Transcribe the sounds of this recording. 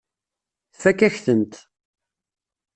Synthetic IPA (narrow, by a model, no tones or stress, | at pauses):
θfækːæçθənt̪